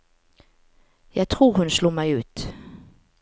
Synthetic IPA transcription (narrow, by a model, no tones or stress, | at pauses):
jɑːɡt̪ʰɾuːɾhɵnsluːmɛjʉ̟ːt̪